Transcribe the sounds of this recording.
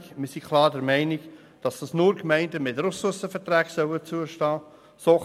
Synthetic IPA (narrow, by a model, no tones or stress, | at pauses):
mɪsikʰlˠɑːɾdɛɾmɛɪnik | d̥ɑsd̥ɑsnʊːɾkmɛɪndəmɪtɾʊsusəfəɾtɾæːɡsœwət͡suəʃtɑː | soː